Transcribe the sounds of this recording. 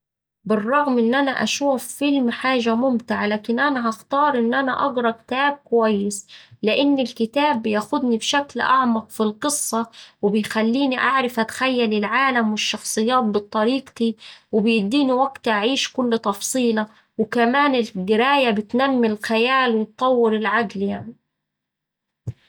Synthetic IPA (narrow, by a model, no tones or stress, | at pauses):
bɨrˤːɑɣmʔɪnːʔanaʔa̰ʃuːfːɪlmħaːʒamʊmt̪ɪʕalaːkɪnʔanaɦɑxt̪ɑːɾˤʔɪnːʔanaʔɑɡɾˤɑkɪ̥t̪aːb̚kʊwajːɪslɪʔɪnːɪlkɪt̪aːbːɪjaxʊd̪nibʃaklʔɑ̰ʕmɑqfilqɨsˤːɑwɪbɪjxalːiːniʔaʕɾɪfʔat̪xajːalɪlʕaːlamwɪʃːɑxsˤɨjːaːt̪̚bɨt̪ˤːɑɾiːqt̪iwɪbjɪd̪ːiːniwaɡt̪ʔaʕiːʃkʊlːt̪ˤɑfsˤiːlɑ | wɪkamaːnɪlɡɪɾaːjabɪt̪namːɪlxajaːlwɪt̪ˤːɑwːɪɾɪlʕaɡljaʕni